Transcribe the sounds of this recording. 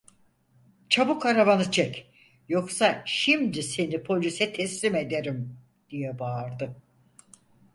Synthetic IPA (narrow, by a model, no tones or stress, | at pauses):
t͡ʃʰabukaɾaβanɯt͡ʃʰɛc | joksaʃimd̪ise̞nipʰo̞lʲysɛt̪ʰɛslʲime̞d̪e̞ɾim | d̪̥ijɛbaːɾd̪ɯ